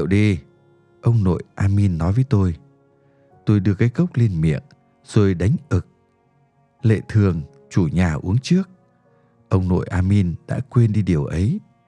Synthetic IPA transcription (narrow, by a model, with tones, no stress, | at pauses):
wɗi˧ | ʔə˧wŋ͡mno̰˧˨jʔaː˧mi˧nːɔ˨˦jvəː˨˦jt̪o˧j | t̪o˧jɗɨ˧əkaː˨˦jkə˦˥wk͡p̚li˧ənmḭ˧˨ən | z̥o˧˨˩jɗa˨˦jŋ̟ʔɨ˨˩k̚ | lḛ˧˨t̪ʰɨ˨˩əŋ | t͡ɕu˧˩ɲaː˨˩ʔu˨˦əŋt͡ɕɨ˦˥ək̚ | ʔə˧wŋ͡mno̰˧˨jʔaː˧mi˧nɗa̰ː˧˥kwe˧nɗi˧ɗi˨˩əwʔə˨˦j